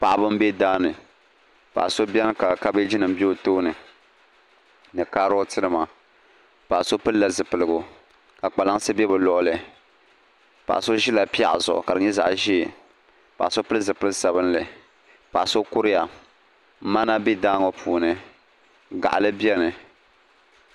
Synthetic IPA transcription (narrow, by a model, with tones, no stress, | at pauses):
pa˨ʔa˨bɨ˦mbɛ˦daː˦nɨ˨ | pa̰˨ʔso˦bjɛ˦nɨ˦ka˨ka˦be˦d͡ʒi˦nɨ˨m̩˦bo˦toː˦nɨ˨ | nɨ˨kaː˦ɾo˦tɨ˦nɨ˨ma˨ | pa˨ʔso˦pɨ˦lla˨zɨ˨pɨ˨lɨ˨ɡʊ˨ | ka˨k͡pa˨la˦ŋ˦sɨ˦bɛ˦bɨ˨lɔ˨ʔʊ˦lɨ˨ | pa̰˨ʔso˦ʒi˦la˨pi˦a̰˦ʔzʊ̰˨ʔka˨dɨ˨ɲɛ˦za̰˨ʔʒi˦˨ | pa̰˨ʔso˦pɨ˦lɨ˦zɨ˨pɨ˦lsa˨bɨ˦n˦lɨ˨ | pa˨ʔso˦kʊ˦ɾɪ˦ja˨˦ | ma˦na˦bi˦daː˦ŋɔ˨pʰuː˨nɨ˦ | ɡa̰˨ʔa̰˨lɨ˦bjɛ˦nɨ˨